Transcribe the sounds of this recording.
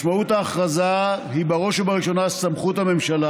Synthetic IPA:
ʃmaut̪aːχʁazahibaʁo̞ʃbaʁiʃo̞nasamχut̪hame̞mʃala

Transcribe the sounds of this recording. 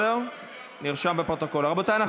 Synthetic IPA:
eʁ | niʁʃambepʁot̪oko̞laʁabot̪ajna

